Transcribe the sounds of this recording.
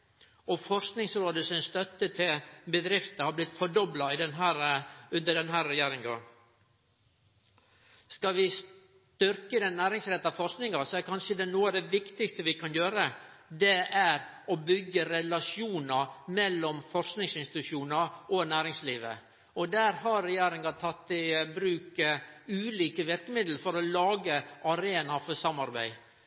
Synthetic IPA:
ɔfɔɾsknɪŋsɾoːd̪əsɔnst̪œt̪ːət̪ʰɪlbəd̪ɾɪft̪əhɑɾblɪt̪fɔɖɔblɑɪd̪ɛnɦæːɾʉnd̪əɖɛnɦæːɾɾɛjeːɾɪŋɡɑ̰ | skɑʋɪs | t̪ʏɾkəd̪ɛnːæːɾɪŋsɾɛt̪ːɑfɔɾsknɪŋɑsɔæɾkʰɑnʂəd̪ɛnuːɑd̪ɛʋɪkt̪ɪkst̪əʋɪkʰɑnjøːɾə | d̪ɛʔæɾ | ɔbʏɡːəɾɛlɑʂjuːnɑmɛlːɔmfɔɾsknɪŋsɪnst̪ɪt̪ʉʂuːnɑʔɔnæːɾɪŋsliːʋə̰ | ɔd̪æːɾhɑɾɾɛjeːɾɪŋɡɑt̪ʰɑt̪ːɪbɾʉːkəʉːliːkəʋɪɾkəmɪd̪l̩fɔɾɔlɑːɡəɑɾeːnɑfɔsɑmːɑɾbæ̰ɪ

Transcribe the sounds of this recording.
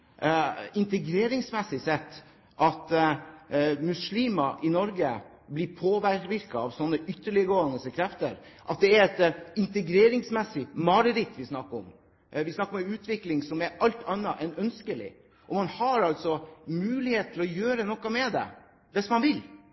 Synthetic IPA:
ɪnt̪əɡɾeːɾɪŋsmɛsɪsɛt̪ː | ʔɑt̪ | mʉsliːmɑʔɪnɔɾɡə | blɪpʰoːʋæɾʋɪɾkɑɑʋsɔnːəʔʏt̪ːəɭɪəɡoːənəsəkʰɾɛft̪ə̰ɾʔɑ̰t̪̚d̪ɛæɾɛt̪ɪnt̪əɡɾeːɾɪŋsmɛsːɪmɑɾəɾɪt̪ːʋɪsnɑkːəɾɔ̰m | ʋɪsnɑkːɾɔmʉːt̪ʰʋɪklɪŋsɔmɛɾɑlt̪ʰɑnːɑʔɛnœnskəlɪ̰ | ʔɔmɑnhɑɾɑlt̪sɔmʉːlɪheːt̪̚ʰlɔjøːɾənɔkːɑmɛd̪ɛ̰ | d̪ɛsmɑnʋɪl

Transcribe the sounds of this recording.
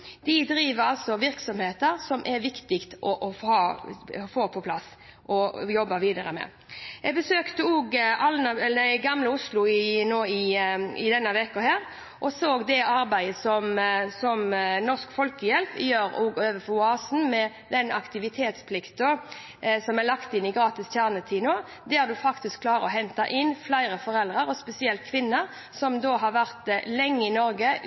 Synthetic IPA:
d̪̥ɪd̪ɾiːʋəɾɑlt̪sɔʋɪɾksɔmheːt̪əɾsɔmʔɛɾʋɪkt̪ɪkt̪ʔɔʔɔɑːfoːpʰɔpʰlɑs | ʔɔjɔbːɑʋiːd̪ɑɾəmɛ̰ | ʔɛɡbəsøːkt̪əoːɡɑlnɑɛld̪æɪɡɑmləʊslʊɪnoːɪɪ̰d̪ɛnːəʋɛkɔhæːɾ | ʔɔsoːɡd̪ɛʔɑɾbæɪəsɔmsɔmnɔʁskfɔlkəjɛlpɪjøːɾɔːɡøːʋəfɔʊɑːsn̩mɛ | d̪ɛnɑ̰kt̪ɪʋɪt̪ʰeːt̪spʰlɪkt̪̚d̪o | sɔmælɑkt̪ɪnːɪɡɾʁɑːt̪ɪst̪ʰjæːʁnət̪ʰiːnoː | d̪æːɾd̪ʉfɑkt̪ɪskʰlɑːɾəɔɦɛnt̪ɑʔɪnːflæɪɾəfɔʁɛld̪ʁəɾɔspɛsɪɛlt̪̚kʰʋɪnːəɾ | sɔmd̪oːɦɑɾʋæʁt̪lɛŋːəɪnɔɾɡə

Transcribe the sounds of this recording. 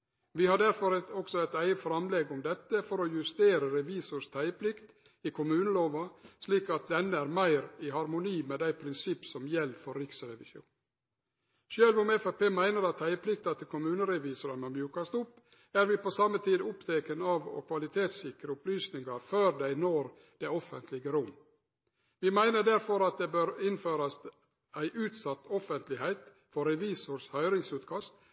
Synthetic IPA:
ʋɪhɑɖæɾfɔɾɛɔksɔæɪt̪æɪəfɾɑmlɛɡʊmd̪ɛt̪ːəfɔɾɔjʉst̪eːɾəɾɛʋiːsʊʂt̪ʰæɪəpʰlɪkt̪ | ɪkʰʊmʉːnəloːʋɑsliːkɑt̪̚d̪ɛnːəæɾmæɪɾɪhɑɾmʊniːmeːd̪æɪpʰɾɪnsɪpːsɔmjɛlːfɔɾːɪksɾɛʋɪʃjṵːn | ʃøːlʋʊmɛfæpeːmæɪnəɾɑt̪ʰːæɪəpʰlɪk̚t̪ɑt̪ʰːɪkʰʊmʉːnəɾɛʋiːsʊɾɑnɑmjʉːkɑst̪ʊpː | æɾʋɪposɑmːət̪ʰiːd̪ʊpt̪ʰeːkənɑʋɔ̰kʰʋɑlɪt̪ʰeːt̪sɪkɾəʊplyːsnɪŋɑɾføːɾd̪æɪnoːɾ | d̪̥ɛɔfənt̪ʰlɪɡəɾʊm | ʋɪmæɪnəɖæɾfɔɾɑt̪̚d̪eːbøːɾɪnføːɾɑs | æɪʔʉːt̪sɑt̪ːɔfənt̪lɪhæɪt̪ | fɔɾɛʋiːsʊɾshœʏɾɪŋsʉːt̪kʰɑst̪

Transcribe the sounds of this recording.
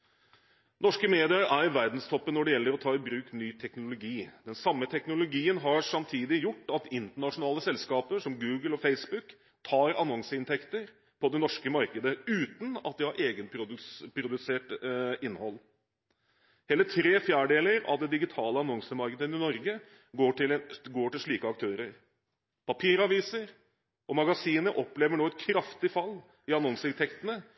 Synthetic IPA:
nɔʂkəmeːd̪ɪəɾæɾʋæɾd̪nst̪ʰɔpːənːɔɖɛjɛlːəɾɔt̪ʰɑːɪbɾʉːknyːt̪ʰɛknʊlʊɡiːd̪̥ɛnsɑmːət̪ʰɛknʊlʊɡiːənɦɑɾʂɑmt̪ʰiːd̪ɪjʊʈːɑt̪ɪnt̪əɳɑʂʊnɑːləsɛlskɑːpəʂɔmɡʉːɡəlɔfeɪsbʉk | t̪ʰɑːɾɑnɔŋsəɪnt̪ʰɛkt̪əɾ | pʰɔd̪ɛnɔʂkəmɑɾkəd̪əʉːt̪n̩ɑt̪̚d̪ɪhɑɾʔeːɡənppʰɾʊd̪ʉseːʈɪnːhɔlː | hɛlːəʈʰɾeːfjæːɖeːləɾɑ̰ʋd̪ɛd̪ɪɡɪt̪ʰɑːləɑnɔŋsəmɑɾkəd̪ənɪnɔɾɡə | ɡoːʈɪlɡoːʈɪlʂɭiːkəɑk̚t̪ʰøːɾəɾ | pʰɑpʰiːɾɑʋiːsəɾ | ʔɔmɑɡɑsiːnəʔɔpleːʋəɳoːɛt̪̚kʰɾɑft̪ɪfɑlː | ɪɑnɔŋsəɪnt̪ɛkt̪ənə

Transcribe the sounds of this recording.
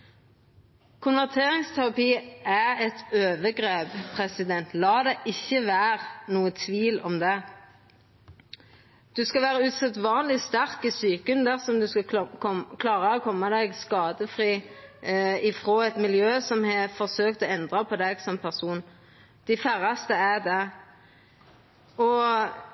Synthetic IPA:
kʰʊnʋæʁt̪ʰeːɾɪŋst̪ʰæʁɑpiːʔæʁɛt̪øːʋəɡʁeːbpʰʁɛsɪd̪ɛnt̪lɑːd̪ɛʔɪçːəʋæːʁnuːət̪ʰʋiːlɔmd̪ɛ | d̪̥ʉskɑʋæːɾəʉːt̪sɑt̪ːʋɑːnlɪst̪æʁkɪsyːkənd̪æʁsɔmd̪ʉskɑ | kʰlɑːʁɑɔkʰɔmːɑd̪ɛɡskɑːd̪əfɾiː | ɪfʁoːɛt̪mɪljøːsɔmhɑfɔʁsøːk̚t̪ɔɛnd̪ʁɑpʰɔd̪ɛɡsɔmpʰæʁsuːn | d̪̥æɪfæɾɑst̪əæd̪ɛ | ɔ

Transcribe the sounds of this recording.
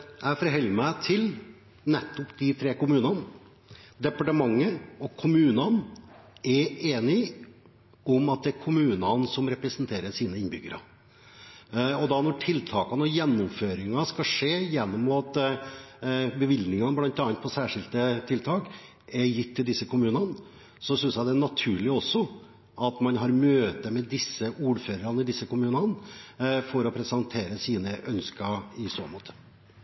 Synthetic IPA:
jæɪfɔɾɦɛlːəmæɪt̪ʰɪl | nɛt̪ːʊpd̪ɪt̪ʰɾeːkʊmʉːnɑn | d̪ɛpɑʈəmɑŋːəɔkʰʊmʉːnɑn | ɛɾeːnɪ | ɔmɑt̪̚d̪ɛæɾkʰʊmʉːnɑnsɔmɾɛpɾəsənt̪ʰeːɾəʂiːnəɪnbʏɡəɾɑ̰ | ɔd̪ɑnɔʈʰɪlt̪ʰɑːkɑnəɔjɛnːʊmføːɾɪŋɑskɑʂeːjɛnːɔmːut̪ | bəʋɪld̪nɪŋɑnblɑnt̪ɑːɑnt̪̚pʰɔsæːʂɪlt̪ət̪ʰɪlt̪ʰɑːk | ɛɾjɪt̪ʰːɪld̪ɪsːəkʊmʉːnɑn | sɔsʏnsjæɪd̪ɛæɳɑt̪ʰʉːɭɪɔsːɔ | ʔɑt̪mɑnɦɑɾmøːt̪əmɛd̪ɪsːəʔuːɾføːɾəɾɑnɪd̪ɪsːəkʊmʉːnɑn | fɔɾɔpʰɾɛsɑnt̪ʰeːɾəsiːnəʔœnskəɪsoːmɔ̰ːt̪ʰə̥

